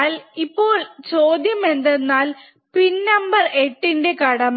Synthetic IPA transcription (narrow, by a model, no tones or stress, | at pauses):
lipːo̞ːɭt͡ɕo̞ːd̪jɐme̞nd̪enːaːl | pinːɐmbɐre̞ʈːinde̞kɐɽɐm